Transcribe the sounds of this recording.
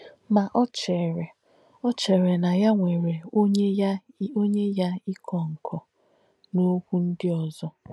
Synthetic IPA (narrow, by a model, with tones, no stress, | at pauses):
ma˨ʔɔ˦t͡ʃe˨ɾe˨ | ɔ˦t͡ʃe˨ɾe˨na˨ja˦ŋʷe˨ɾe˨˦e˦j | o˦ɲe˦ja˦i˦kʰɔ˨ŋ̩˨kʰɔ˨ | no˦kʷu˦n̩˦dɪ˦ɔ˨zɔ˦